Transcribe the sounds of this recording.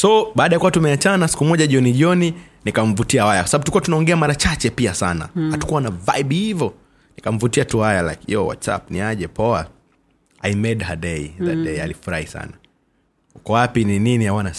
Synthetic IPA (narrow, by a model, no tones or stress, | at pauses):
sɔɓaːɗajakuwatumɛat͡ʃanasi̥kumɔʄaʄɔniʄɔni | nikaɱ̩vutiawajakwasaɓabutulikuatunaɔŋɡɛamaɾat͡ʃat͡ʃɛpiasana̰hatu̥kuwanavaiɓhivɔ | nikam̩vutiatuhajala̰kḭɔ̰wa̰tsa̰p̚niaʄɛpɔa | a̰imɛɗhaɗɛiðadɛia̰lifuɾahisa̰na | ukɔwapinininiawana